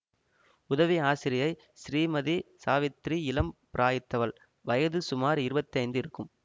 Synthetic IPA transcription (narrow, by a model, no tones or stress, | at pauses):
ʊðɐʋiaːsɪɾɪjɐɪ | sɪɾiːmɐðisaːʋɪt̪ɾiɪlɐmpɪɾʔaːjɪt̪ːɐʋɐl | ʋɐjɐðɯsʊmaːɾɪɾɯbɐt̪ːiɐɪnd̪ɯɪɾɯkːɯm